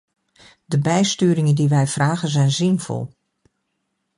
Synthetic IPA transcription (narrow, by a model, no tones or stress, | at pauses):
d̥əbɛjstyːɾɪŋəndiʋɛjfraːɣənzɛjnzɪnv̥ɔ̰lˠ